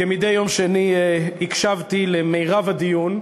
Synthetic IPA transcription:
kemid̪e̞jːo̞mʃeniikʃavt̪ilemejʁavad̪ijun

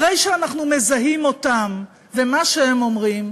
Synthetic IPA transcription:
ʁejʃeanaχnume̞zaɦimo̞tam | vemaʃeemo̞mʁim

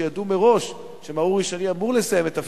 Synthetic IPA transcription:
jadume̞ʁo̞ʃ | ʃemauʁiʃoniamuʁlesajemet̪af

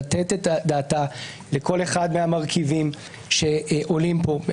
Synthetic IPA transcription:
t̪etetadaːta | leko̞le̞χad̪meamaʁkʰivim | ʃeʔo̞limpo

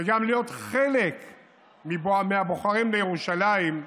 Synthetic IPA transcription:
veɡamlijo̞t̪χelek | mibmeaboχaʁimlejeʁuʃalaim

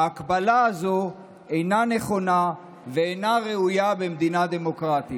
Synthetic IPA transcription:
akbalaːzo̞ | ejnane̞χo̞na | veejnaʁe̞ujabe̞md̪inad̪emo̞kʁat̪i

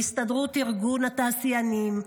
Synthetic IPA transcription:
ist̪ad̪ʁut̪iʁɡunhat̪aːsijanim

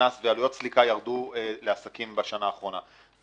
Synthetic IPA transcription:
asvealujo̞t̚slikajaʁd̪uele̞asakimbaʃanaːχʁo̞na

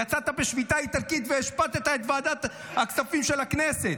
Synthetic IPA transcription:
jat͡sat̪abeʃvit̪ait̪aʁkit̪veeʃpat̪et̪aet̪vaːd̪at̪ | hakt͡ssafimʃelakneset̪

